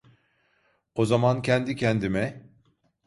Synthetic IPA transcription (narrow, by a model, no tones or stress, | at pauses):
ozamancʰɛnd̪icʰɛnd̪imɛ